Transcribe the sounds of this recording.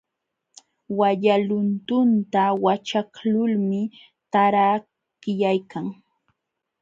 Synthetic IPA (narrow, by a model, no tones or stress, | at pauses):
waʎalʊnt̪ʊnt̪awat͡ʃaklʊlmɪ | t̪aɾa | kɪjajkaŋ